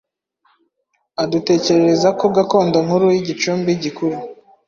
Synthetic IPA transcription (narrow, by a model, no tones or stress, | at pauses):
adute̞ːce̞ɾe̞ɾezakoɡako̞ːndoŋhuɾujiɟit͡ʃuːmbiɟikuɾu